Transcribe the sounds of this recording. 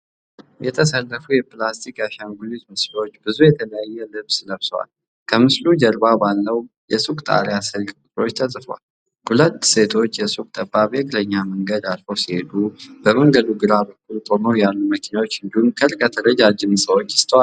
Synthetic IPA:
jɛt̪ʰəsəlːəfujɛplast̪ʰikaʃaŋɡulizmɨslo̞t͡ʃːbɨzujɛt̪ʰələjajːɛlɨβsləβsəwa̰l | kʰəmɨslud͡ʒəɾbabalːəw | jɛsʼukʼt̪ʼa̰ɾijasɨlkʼkʼʊt̪ʼɾo̞t͡ʃːt̪ʰəzʼfəwa̰l | hulət̪ːse̞t̪ʰo̞t͡ʃːjɛsʼuk̚ʼt̪ʼəbaβeɡʼləɲːaməŋɡəd̪alfəwsihe̞d̪ub̥əməŋɡəd̪uɡɨɾabəkːult̪ʼonowjalːuməkʰinawot͡ʃːɨnd̪unkʰəɾkʼət̪ʰəɾəd͡ʒad͡ʒɪmsʼəwo̞t͡ʃːjɪ̥st̪ʰəwal

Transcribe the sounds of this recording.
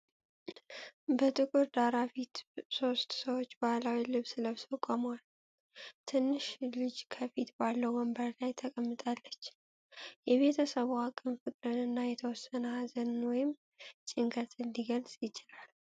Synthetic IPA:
bət̪ʼɨkʼuɾd̪aɾafit̪so̞st̪səwot͡ʃːbahlawilɨβsɨləβsəkʼomwal | t̪ʰɨnːɨʃlɨd͡ʒkʰəfit̪balːəwməmbəɾlajt̪ʰəkʼəmːɨt̪ʼalːət͡ʃː | jɛβe̞t̪ʰəsəβuakʼɨmfɨt̪ʼɾɨnɨnːajɛt̪ʰəwɔsːənəhazənwɔjɪm | t͡ʃʼɪŋkʰət̪ʼɨnd̪iɡəlsʼjɪt͡ʃɪlal

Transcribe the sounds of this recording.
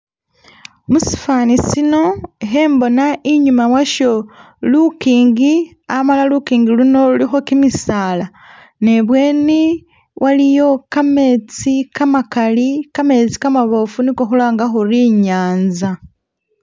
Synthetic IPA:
musi̥faːnisino̞eɦeːmbo̞naʔiɲumawaʃo | lukiːŋɡi | amalalukiːŋɡiluno̞ulixo̞kimisaːla | ne̞βwe̞ːni | wʔalijo̞kame̞ːt͡sikamakalikame̞t͡si̥kamaβo̞funikoxulaːŋɡaxuɾiɲaːnza

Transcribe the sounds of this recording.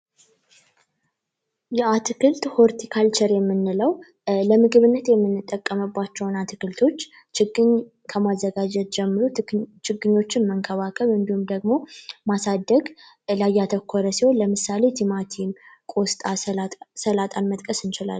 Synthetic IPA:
jɛat̪ʰɨkɨlt̪hoɾt̪ʰikʰalt͡ʃʰɛɾjɛmːɨnːɨləw | ləmɨɡɨβɨnːət̪jɛmːɨnːɨt̪ʼːəkʼːəmɨbːat͡ʃːɛwnat̪ʰɨkɨlt̪ʰo̞t͡ʃː | t͡ʃɡɨɲ | kʰəmazːəɡad͡ʒɛt̪̚d͡ʒɛmːɨɾut͡ʃɪɡːɨɲːo̞t͡ʃːɪnməŋkʰəβakʼəlɨnd̪ihumd̪əɡmo̞masad̪ːəɡ | lajːat̪ʰəkʰːoɾəsiho̞nləmɨsale̞t̪ʰimat̪ʰimkʼo̞st̪ʼasəlat̪ʼanmət̪ʼkʼəsɨnt͡ʃɪla̰l

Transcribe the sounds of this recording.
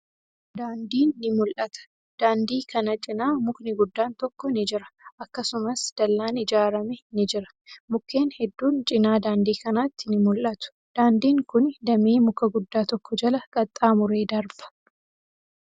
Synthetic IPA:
d̪aːnd̪iːnːɪmʊlʔɐt̪ɐ̥ | d̪̥aːnd̪iːkɐnɐt͡ʃʼɪnaːmʊknɪɡʊd̪ːaːnt̪ɔkːɔnɪd͡ʒɪɾɐ̥ʔɐkːɐsʊmɐsd̪̥ɐlːaːnɪd͡ʒaːɾɐmɛnɪd͡ʒɪɾɐ̥ | mʊkːe̞ːnhɛd̪ːuːnt͡ʃʼɪnaːd̪aːnd̪iːkɐnaːt̪ːɪnɪmʊlʔɐt̪ʊ̥ | d̪̥aːnd̪iːŋkʊnd̪ɐmiːmʊkːɐɡʊd̪ːaːt̪ɔkːɔd͡ʒɐlɐɡʼɐt̪ʼːaːmʊɾe̞ːd̪ɐɾb̥ɐ̥

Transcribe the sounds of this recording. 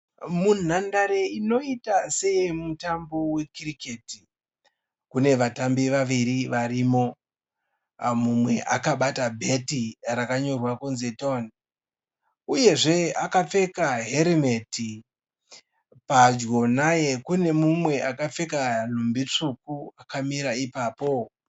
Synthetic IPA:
mun̤andaɾeino̞itasejemutambo̞we̞kiriketi | kune̞ʋatambiʋaʋiɾiʋaɾimo̞ | mumwe̞ʔakaɓatabʱe̞tirakaɲo̞rwakonze̞toni | uje̞ʐe̞akap͡fe̞kaɦe̞ɾime̞ti | pad͡ʒɡo̞naje̞kune̞mumwe̞ʔakap͡fe̞kan̤umbit͡ʂukuakamiɾaipaːpo̞

